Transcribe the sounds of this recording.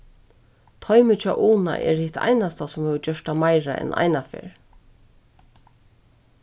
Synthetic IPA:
t̪ʰɔʏmʏt͡ʃʰɔʔuːna̰ʔɛ̰ɹhɪt̪ʰa̰jnast̪asʊmhɛːʋəd͡ʒœʂt̪amajɹa̰ʔɛ̰nʔa̰jnafḛːɹ

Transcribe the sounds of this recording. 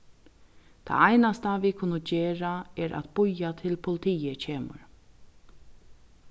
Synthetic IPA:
t̪ʰa̰ːajnast̪avikʰʊnʊd͡ʒeːɹaɛɾʔæ̰t̪b̥ʊjat̪ʰɪlpʰʊlɪt̪ʰijəcʰeːmʊ̰ɹ

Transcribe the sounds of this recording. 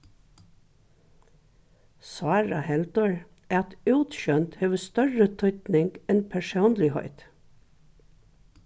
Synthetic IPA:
sɑːɹɑhɛld̪ɔɹ | æːɑt̪ʉːt̪ʃœnt̪heːʋəst̪œɹət̪ʰœʏt̪nɪŋɡ̥ɛnpʰæʃuːnlɪhɔ̰ʏt̪

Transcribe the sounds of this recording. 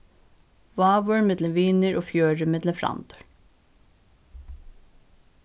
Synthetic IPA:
ʋɑːʋəɹmɛd̪ləʋiːnəɹʔoːfjøːɹəmɛd̪ləfɾɑ̰nd̪ə̥ɹ

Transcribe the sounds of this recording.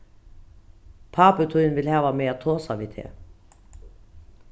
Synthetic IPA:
pʰɑːpət̪ʰuʏnʋɪlhæːʋameːat̪ʰoːsɑʋɪt̪ʰḛː

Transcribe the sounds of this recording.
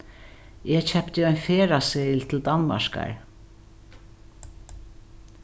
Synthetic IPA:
ɛt͡ʃʰɛpt̪ɪɔjnfeːɾasɛlt̪ʰɪld̪anma̰ʃka̰ɹ

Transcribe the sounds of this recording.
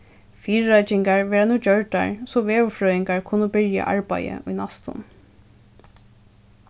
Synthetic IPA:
fiːɾːœjt͡ʃɪŋkaɹʋɛːɹanuːd͡ʒœɹʈa̰ɹsɔʋeːʋʊfɹœːɪŋkaɹkʰʊnʊbɪɹja̰ʔa̰ɹpajə̰ʔʊjnast̪ʊ̰n

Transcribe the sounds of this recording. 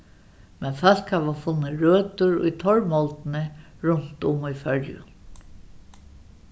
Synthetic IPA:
mɛnfal̥khaʋafʊnːɪɹøːt̪ʊɹʊ̰jt̪ʰɔɹmɔlt̪ɪnɪ | ɹʊn̥t̪ʊmujfœɾjʊ̰n

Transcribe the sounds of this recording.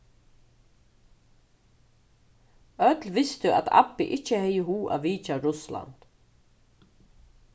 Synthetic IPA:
œt̪lʋɪst̪ʏʔa̰t̪ʰa̰pːɪʔɪcːəhɛjəɦuːʔa̰ʋiːt͡ʃaɾʊsla̰nt̪

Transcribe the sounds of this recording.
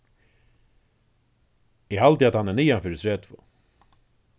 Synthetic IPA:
ɪhalt̪ɪat̪hanːɛnijanfɪɾɪt̪ʰɾeːt̪ʰvo̰ː

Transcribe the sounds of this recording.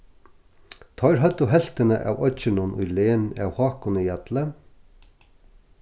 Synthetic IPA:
t̪ʰɔjɾɦœt̪ːʊɦɛl̥t̪ɪnə̰ʔa̰wɔt͡ʃɪnʊnṵjleːna̰whɑːkʊnɪjat̪lə

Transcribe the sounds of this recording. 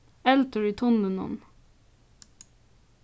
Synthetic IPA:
ɛlt̪əɹiːt̪ʰʊnlənɔ̰n

